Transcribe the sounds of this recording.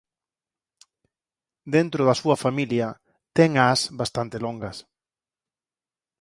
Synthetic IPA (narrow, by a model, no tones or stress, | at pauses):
d̪ent̪ɾʊðɐsuɐfamiljɐ | t̪ɛŋasbast̪ant̪eloŋɡɐs